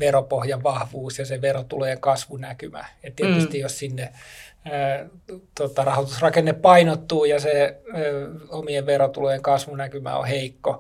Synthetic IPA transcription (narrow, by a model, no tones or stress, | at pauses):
ʋeropohjɑʋʋɑhʋuːsjɑseʋerot̪uleːŋkɑsʋunækymæ̰ett̪iet̪yst̪ijjossinːe | t̪ot̪ɑrɑhot̪usrɑkenːeppɑinot̪ːuːjɑse | omieʋʋerot̪uleːŋkɑsʋunækymæ̰o̰heikːo